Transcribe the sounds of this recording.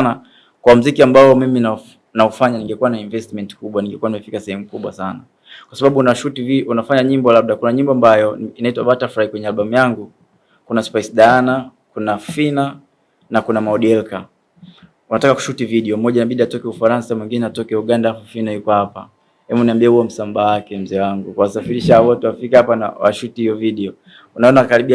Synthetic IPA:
na | kwam̩zikiambaɔmimina | naufaɲaniŋɡɛkuwanaiɱvɛstmɛnti̥kuɓwaniŋɡɛkuwanimɛfikasɛhɛmukuɓwa̰sana | kwasaɓaɓunaʃutiviunafaɲaɲimbɔlab̚ɗakunaɲimbɔambajɔinaitwaɓatafɾaikwɛɲɛalɓamujaŋɡu | kunaspasɗaana | kunafina | nakunamaɔɗiɛlka | unatakaku̥ʃutiviɗiɔm̩mɔʄanaɓiɗiatɔkɛufaɾansamwiŋɡinɛatɔkɛuɠandaafafinajukɔhapa̰ | ɛmuniambiauɔm̩sambawakɛm̩zɛwaŋɡukuwasafiɾiʃaawatuwafikɛapana̰wa̰ʃutihijɔviɗiɔ | unaɔnakaɾiɓia

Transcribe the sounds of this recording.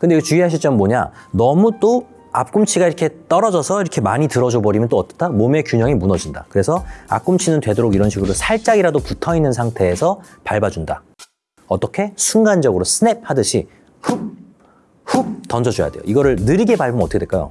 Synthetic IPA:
kɯndeɡet͡ɕuiɦaɕʰiɭt͡ɕ͈ʌmmoɲa̰nʌmut͈o | a̰p̚k͈umt͡ɕʰiɡaiɾʌkʰe̞t͈ʌɾʌd͡ʑʌsʰʌiɾʌkʰe̞maɲitɯɾʌd͡ʑobʌɾimjʌnt͈oʌt͈ʌ̥tʰamome̞kjuɲʌŋimunʌd͡ʑinda̰kɯɾe̞sʰʌa̰p̚k͈umt͡ɕʰinɯntwe̞doɾoɡiɾʌnɕʰiɡɯɾosʰaɭt͡ɕ͈aɡiɾadoputʰʌinːɯnsʰaŋtʰe̞ːsʰʌpaɭbad͡ʑunda̰ | ʌt͈ʌkʰe̞sʰuŋɡand͡ʑʌɡɯɾosʰɯne̞p̚hadɯɕʰi | ɸup̚ | hup̚tʌnd͡ʑʌd͡ʑoja̰dejo̰iɡʌɾɯɭnɯɾiɡe̞paɭbɯmnʌt͈ʰʌkʰeweɭk͈ajo̰

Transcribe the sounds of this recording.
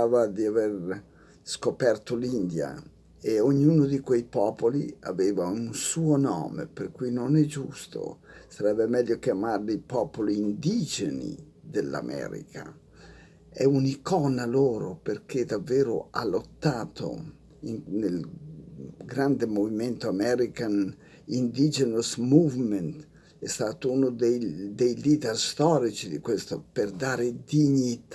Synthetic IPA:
aːvad̪iaver | skopɛrt̪olind̪ja̰ | eoɲːuːnod̪ikwejpɔːpolḭa̰veːvaunsuːonɔ̰ːmḛperkujnonɛd͡ʒṵst̪o̰saɾɛbːemɛʎːokjamarlipɔːpoliːnd̪id͡ʒenḭ | d̪elːa̰mʔɛ̰ːɾḭkʰa | ɛunikɔnaloːɾopeɾkʰed̪avːɛːɾo̰a̰lot̪ːaːt̪ʰo̰ | iŋnel | ɡɾand̪emoviment̪oamɛɾikan | ind̪id͡ʒenosmuvment̪ | ɛst̪at̪ounod̪ed̪ejlid̪ɛrst̪ɔɾit͡ʃid̪ikwest̪operd̪aːɾed̪iɲit̪a

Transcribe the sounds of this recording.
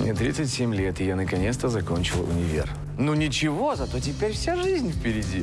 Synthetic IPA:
mʲɛ̰t̪ɾʲit̪sɨtʲsʲemʲlʲet̪ɨjanəkɐnʲet̪st̪əzɐko̞nʲt͡ɕɪlˠʊ̰nʲɪvʲḛr | nunʲɪt͡ɕɪvo̞zɐt̪o̞tʲɪpʲeɾʲfsʲaʐɨzʲnʲfpʲɪɾʲɪdʲi

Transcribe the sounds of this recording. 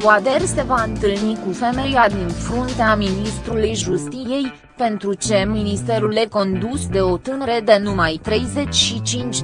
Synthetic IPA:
ad̪e̞rse̞vaɨnt̪ɨlnikufe̞me̞jad̪infɾunt̪eaminist̪ɾulujʒust̪ije̞j | pe̞nt̪ɾut͡ʃe̞minist̪e̞ɾulːe̞ko̞nd̪usd̪e̞o̞t̪ɨnəɾe̞d̪e̞numajt̪ɾe̞jze̞t͡ʃʲʃit͡ʃint͡ʃ

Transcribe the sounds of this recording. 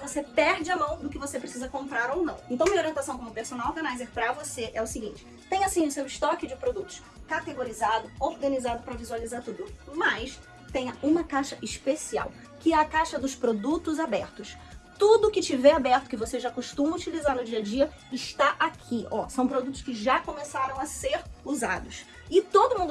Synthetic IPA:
vosepɛɾd͡ʒɪamɐ̃w̃d̪ʊkɪvosepɾesizɐkõmpɾaɾownɐ̃w̃ẽnt̪ɐ̃w̃ɐoɾiẽnt̪asɐ̃w̃kõmʊpeɾsonawoɾɡɐ̃najzeɾpɾɐvoseʔɛʊsɪɡĩnt͡ʃɪ̥ | t̪ẽj̃ɐsĩʊsewɪsʃt̪ɔkɪd͡ʒɪpɾod̪ut̪ʊ̥s | kat̪eɡoɾizad̪ʊoɾɡɐ̃nizad̪ʊpɾɐvizualizaɾt̪ud̪ʊmɐs | t̪ẽɲɐʔũmɐkajʃɐʔɪʃpesia̰w | kɪɛɐkajʃɐd̪ʊspɾod̪ut̪ʊzabɛɾt̪ʊs | t̪ud̪ʊkɪt͡ʃivɛabɛɾt̪ʊ̥kɪvoseʒakoʃt̪ũmɐut͡ʃilizaɾnʊd͡ʒiɐd͡ʒiɐ | ɪʃt̪aʔakʰiɔ̰sɐ̃w̃pɾod̪ut̪ʊ̥skɪʒakõmesaɾɐ̃w̃ɐseɾuza̰d̪ʊs | ɪt̪od̪ʊmũnd̪ʊ

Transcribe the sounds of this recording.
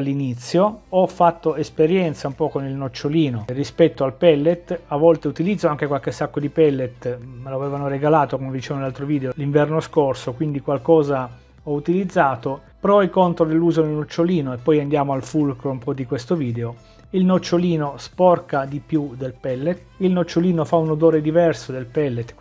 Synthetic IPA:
alːinit̪sːjoɔfːat̪ːoespeɾjɛnt̪saumpɔkonilnot͡ʃːoliːnorispɛt̪ːoalpɛlːet̪avːɔlt̪eut̪ilid̪zːoaŋk̟ekwalkesakːod̪ipɛlːet̪meloavɛːvanoreɡalaːt̪okomevd̪it͡ʃɛvonelalt̪ɾoviːd̪eoliɱvɛrnoskorsokwind̪ikwalkɔːza | ɔut̪ilid̪zːaːt̪o | pɾɔjkont̪ɾod̪elːuːzonelnot͡ʃːoliːnoepːɔjand̪jaːmoalfulkɾoumpɔd̪ikwest̪oviːd̪eo | ilnot͡ʃːoliːnospɔrkad̪ipjud̪elpɛlːet̪ilnot͡ʃːoliːnofaunod̪oːɾed̪ivɛrsod̪elpɛlːet̪

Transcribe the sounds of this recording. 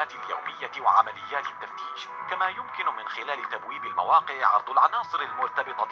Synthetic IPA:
aːt̪ɪlja̰wmɪjːawaʕamalɪjːaːt̪ɪt̪ːaft̪iːʃ | kamaːjʊmkɪnʊmɪnxɪlaːlɪt̪abwiːbɪlma̰wɑːqɨʕʕɑ̰ɾˤd̪ˤʊlʕɑnɑːsˤɨɾalmʊɾt̪ɑbɨt̪ˤɑ

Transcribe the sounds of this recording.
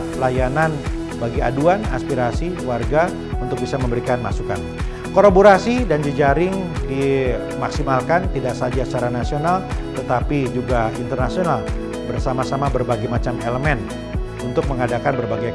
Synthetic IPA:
lajanan | baɡia̰duana̰spiɾasiwarɡa | unt̪ʊk̚bisaməmbəɾikanmasuka̰n | koɾaboɾasidand͡ʒəd͡ʒaɾɪŋdi | maksimalkant̪idaʔsad͡ʒat͡ʃaɾanasionalt̪ət̪apid͡ʒuɡaint̪ərnasional | bərsamasamabərbaɡimat͡ʃameləmɛn | unt̪ʊk̚məŋadakanbərbaɡaj

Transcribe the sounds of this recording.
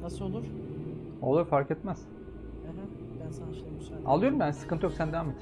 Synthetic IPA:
nasɯolˠuɾ | o̰lˠuɾfaɾkɛt̪mæz̥ | ɛɦɛ̃ | bænsaʃm | a̰lˠɯjo̞ɾumbænsɯ̥kɯnt̪ʰjoksænd̪evaːmet̪ʰːn

